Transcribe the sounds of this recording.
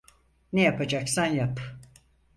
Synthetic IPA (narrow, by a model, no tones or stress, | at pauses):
nejapad͡ʒaksanjap